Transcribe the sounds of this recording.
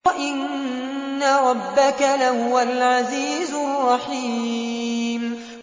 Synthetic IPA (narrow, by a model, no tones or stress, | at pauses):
ʔɪnː | aɾˤɑbːakalahʊwalʕaziːzʊrˤːɑħiː | m